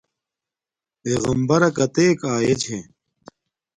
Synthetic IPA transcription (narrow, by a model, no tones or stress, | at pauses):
peːɣɐmbɐɾɐkɐt̪eːkaːjet͡ɕʰẽː